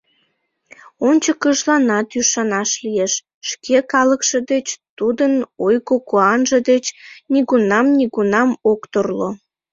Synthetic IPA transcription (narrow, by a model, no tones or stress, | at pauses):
onʲt͡ɕəkəʒlɑnɑt̪yʃɑnɑʃlijeʃ | ʃkʰekɑləkʃed̪et͡ɕt̪ud̪ənojkokoɑnʒed̪et͡ɕniɣunɑmniɣunɑmokt̪orlo